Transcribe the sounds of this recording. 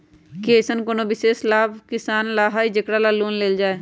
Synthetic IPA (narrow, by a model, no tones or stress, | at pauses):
keːsənkonoːbɪseːslaːbkɪsaːnlaːɦaːiːd͡ʒəkɽaːlaːluːnleːld͡ʒaːeː